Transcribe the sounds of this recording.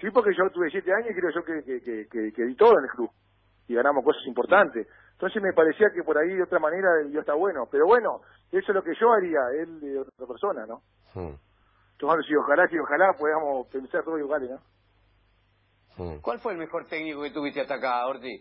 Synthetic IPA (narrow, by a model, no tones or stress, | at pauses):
sipoɾkeʒo̞t̪uβesjet̪eaɲosikɾeoʒo̞kekekekekeðit̪oð̞oenelkɾu | iɣanamohko̞sasimpoɾt̪ant̪es | ent̪o̞ns̬ehmepaɾesiakepoɾaiðeot̪ɾamaneɾaioht̪aβwenopeɾo̞βwe̞no̞ | esolokeʒoaɾiaeld̪eot̪aot̪ɾapeɾso̞nano̰ | t̪oanosioxalasioxalapweðamospe̞nsaɾt̪oðoluɣaleno | kwalfweːlmexoɾt̪eknikoket̪uβiht̪eat̪akaoɾt̪i